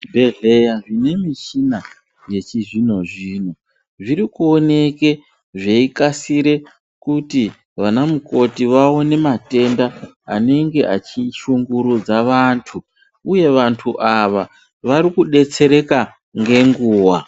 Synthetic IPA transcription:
bʱe̞ɮejaʐine̞miʃina | je̞t͡ʃiʐino̞ʐiːno | ʐiɾikuo̞ne̞ke̞ | ʐeikasiɾe̞ | kuti | ʋanamuko̞tiʋao̞ne̞mate̞nda̰ː | ne̞ŋɡe̞ʔat͡ʃiʃuŋɡuɾud͡zaʋantʰu | uje̞ʋantʰuʔaʋa | ʋaɾikuɗe̞t͡se̞ɾe̞ka | ŋɡe̞ŋɡuːwa

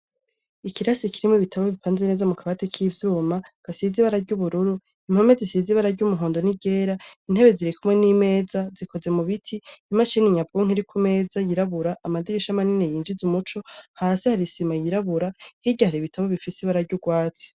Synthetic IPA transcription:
ikiɾasikiɾimoβitʰaβoβipaːnzene̞ːzamukʰaβatekʰivjuːmaɡ̥asiziβaɾaɾɟuβuɾuɾu | im̥ho̞me̞zisiziβaɾaɾɟumuɦoːndo̞niɟe̞ːɾain̥he̞βe̞ziɾikumŋe̞niːme̞ːzazikʰo̞ze̞muβitʰiːmaʃiniɲab̚ɡuŋ̥iɾikʰume̞ːzajiɾaβuɾaʔːmadiɾiʃamaninejiːnd͡ʒizumut͡ʃo̞haːsihaɾisimajiɾaβuɾahiɟahaɾiβitʰaβoβifisiβaɾaɾɟuɡwaːt͡si̥

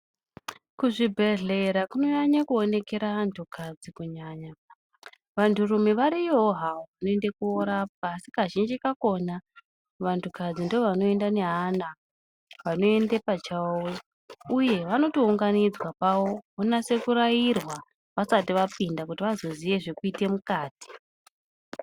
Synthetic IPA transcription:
kuʐibʱe̞ɮe̞ɾakuno̞ɲaɲakuo̞ne̞ke̞ɾaʋantʰukʰad͡zikuɲaːɲa | ʋantʰurumiʋaɾijoɦaoʋano̞ende̞kuoɾap̚aːsikaʒind͡ʒikako̞na | ʋantʰukad͡zindooʋano̞e̞ndane̞ɦana | ʋano̞e̞nde̞pat͡ʃawo | uje̞ʋano̞touŋɡanid͡zwapawo̞onase̞kuɾajirwa | ʋasatiʋapindakutiʋazo̞ziʋe̞ʐe̞kuite̞mukaːti̥

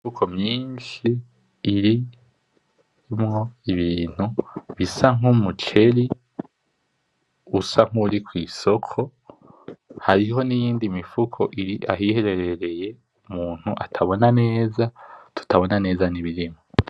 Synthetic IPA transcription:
ukʰo̞mɲiːnʃiː | ɾi | mŋo̞iβiːn̥uβisaŋ̥umut͡ʃe̞ɾi | usaŋ̥huɾikwiːso̞kʰo̞ | haɾiho̞nijiːndimifukʰo̞ʔiɾiʔa̰ɦihe̞ɾe̞ɾe̞ɾe̞je̞ | umuːn̥huʔatʰaβo̞nane̞ːzatʰu̥tʰaβo̞nane̞ːzaniβiɾimo

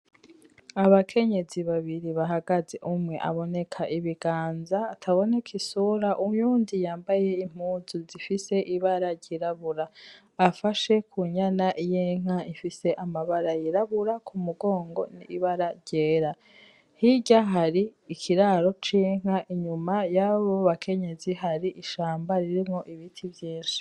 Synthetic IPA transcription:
aβakʰe̞ɲe̞ziβaβiɾiβaɦaɡazeʔumŋe̞̰ʔa̰βo̞ne̞kʰaʔiβiɡ̥aːnzaːtʰaβo̞nekʰisuɾaʔujuːndijaːmbaje̞im̥uzuzifise̞ʔiβaɾaɾɟiɾaβuɾaː | faʃe̞kʰuɲanaʔijeŋ̥aifise̞ʔamaβaɾajiɾaβuɾakʰumuɡo̞ːŋɡo̞niːβaɾaɾɟeːɾa | hiɟaɦaɾiːkʰiɾaːɾo̞t͡ʃiŋ̥aʔiɲumajaβoβakʰe̞ɲe̞ziɦaɾiʔiʃaːmbaɾiɾimŋo̞ʔiβitʰivjiːnʃi̥

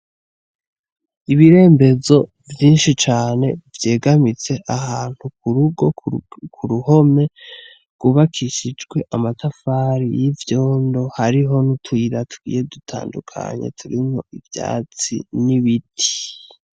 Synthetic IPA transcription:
iβiɾe̞ːmbe̞zo̞ | vjiːnʃit͡ʃaːne̞vje̞ːɡamit͡se̞ʔaɦaːn̥hukuɾuɡo̞kʰuɾuho̞me̞ | ɡ̥uβakʰiʃid͡ʒɡwe̞ʔamatafaːɾijivjo̞ːndo̞haɾiɦo̞nutʰwiɾatʰuɡ̥ḭːje̞dutʰa̰ːndukʰa̰ɲe̞̰tʰuɾimho̞̰ʔivja̰ːt͡sḭniβitʰi̥

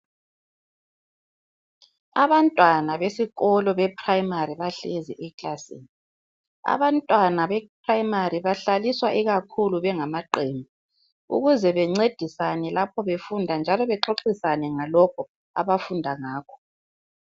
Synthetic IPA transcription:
a̰βantʼwanaβesiɣɔlɔβɛpʰʼrajimariβaɬeziʔɛkʼlasḛːni | a̰βantʼwanaβɛpʰrajimariβaɬaliswaʔiɣakʰuluβɛŋamaǃeːmbʱi | ṵɣuzɛβɛŋ͡ǀed̥ʱisanɛlapʰɔβefundʱand͡ʒʱalɔβɛǁoǁisanɛŋalɔkʰɔ | a̰βafundʱaŋaːkʰɔ̥

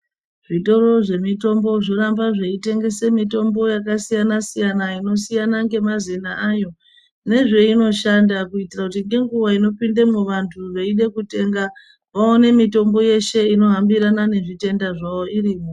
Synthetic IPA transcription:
ʐ̥ito̞ɾo̞ʐe̞mito̞mbo̞ʐo̞ɾambaʐe̞ite̞ŋɡe̞se̞mito̞mbo̞jakasijanasijanaino̞sijanaŋɡe̞mazinaʔajo̞ | ne̞ʐe̞ino̞ʃandakuitirakutiŋɡe̞ŋɡuʋaino̞pindemuʋantʰuʋeiɗe̞kute̞ŋɡa | ʋaone̞mito̞mbo̞je̞ʃe̞ino̞ɦambiɾanane̞ʐite̞ndaʐao̞iɾiːmo

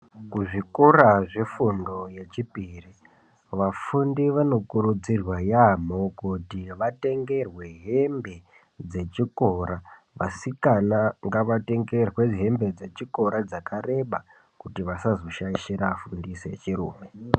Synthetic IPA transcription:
kuʐikoraʐefundo̞je̞t͡ʃipiri | ʋafundiʋano̞kuɾud͡zirwajamo̞kutiʋate̞ŋɡe̞rwe̞ɦe̞mbe̞ | d͡ze̞t͡ʃiko̞ɾa | ʋasikanaŋɡaʋate̞ŋɡe̞rwe̞ɦe̞mbe̞d͡ze̞t͡ʃiko̞ɾad͡zakaɾe̞ɓa | kutiʋasazo̞ʃaiʃiɾaːfundiset͡ʃiɾṵːme̞

